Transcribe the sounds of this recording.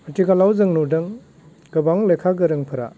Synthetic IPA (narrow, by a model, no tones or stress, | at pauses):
ɐtiɡalawzɯŋnudɯŋ | ɡ̥ɯbaŋlejkʰaɡɯɾɯŋpʰɯɾa̰